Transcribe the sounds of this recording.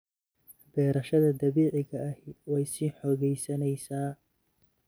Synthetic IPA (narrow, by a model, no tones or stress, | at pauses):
bɛːɾɐʃɐðɐd̪ɐβiːʕɪɣɐɐhwɛjsiːħɔːɣɛjsɐnɛjsaː